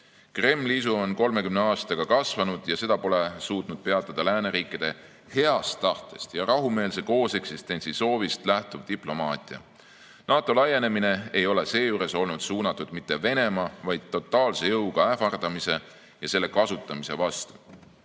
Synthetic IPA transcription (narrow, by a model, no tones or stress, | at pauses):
kre̞mːliisuo̞nko̞lme̞kymne̞ɑːst̪ɑɡ̥ɑkɑsvɑnud̪̥jɑse̞d̪ɑpo̞le̞suːt̪ˑnud̪̥̚pe̞ɑt̪ˑːɑd̪̥ɑlæːne̞ɾiːkːˑid̪̥e̞ | he̞ɑst̪ːɑht̪ˑe̞st̪jɑɾɑɦume̞ːlse̞ko̞ːse̞ksist̪e̞nʲsiso̞ːvist̪læht̪ub̥̚d̪iplo̞mɑːt̪ʲˑiɑ̰ | nɑːt̪ːˑo̞lɑjːe̞ne̞mine̞e̞jo̞le̞se̞ːjuːɾe̞so̞lnud̪̥suːnɑt̪ːˑud̪mit̪ːe̞ve̞ne̞mɑvɑjd̪̥̚t̪ːo̞t̪ːˑɑːlse̞jɤwɡ̥ɑæfɑrd̪̥ɑmise̞ | jɑse̞lːe̞kɑsut̪ˑːɑmise̞vɑst̪u̥